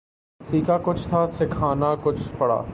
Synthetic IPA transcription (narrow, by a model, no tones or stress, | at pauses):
siːkakʊt͡ʃʰt̪ʰaːsɪkʰaːnakʊt͡ʃʰpɐɽa̰ː